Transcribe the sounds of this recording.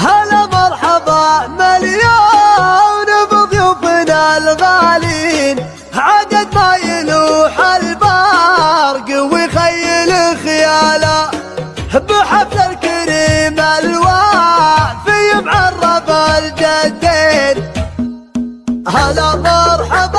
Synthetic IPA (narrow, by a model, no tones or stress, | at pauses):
halamɑɾˤħɑðˤɑmalja | wnɪbɨðˤjufɪnalɣalin | hʕad̪ad̪̚majɪluħalba | ɾˤɡɪwixajːɪluxjaːla | hbəħafsalkɪɾimalwa | bɪjɪmʕɑrˤːɑbald͡ʒad̪ːen | halamɑɾˤħɑðˤ